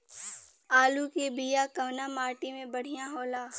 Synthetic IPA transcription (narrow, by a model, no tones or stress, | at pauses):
aːlukebijakɐʋnamaːɾʈimẽbɐɽ̤ijãɦoːlaː